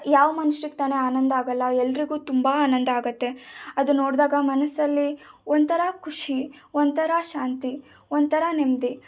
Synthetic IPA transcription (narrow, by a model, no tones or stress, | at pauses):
jaːʋɐmɐnuʂɾik̚t̪aːneaːnɐnd̪ɐaːɡɐlːɐɛlːɾiɡuːt̪umbaaːnɐnd̪ɐaːɡɐt̪ːe̞ɐd̪unːoːɽd̪aːɡɐmɐnɐsɐlːiond̪t̪ɐɾakʰuʂi | ond̪t̪ɐɾaʃaːnt̪i | ond̪̚t̪ʰɐɾanemd̪i